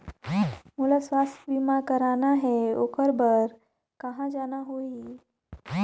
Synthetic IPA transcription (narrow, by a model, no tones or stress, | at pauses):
mulasʋast̪ʋimakəɾanaɦeokəɾbəɾ | kəɦãd͡ʒanaɦoi